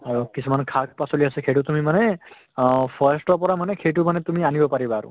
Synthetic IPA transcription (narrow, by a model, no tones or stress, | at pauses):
aɹukisʰumankʰak̚pasoliasɛkʰeʈut̪umimanɛ | pʰasʈɔpɔɹamanɛkʰejtumanɛt̪umianibɔpaɹibaːɹṵ